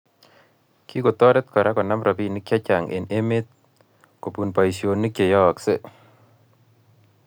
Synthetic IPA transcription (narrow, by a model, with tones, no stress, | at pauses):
ki˦ko˨t̪ɔ˦ɾɛ˦t̪kɔ˨ɾa˦kɔ˨na˦mɾa˨pi˨ni˦kja˦t͡ʃa˨ŋḛ˨ne˦me˦t̪̚ | ko˨pu˨npa˨isjo˨ni˦kje˨jɔ˦˨kse˦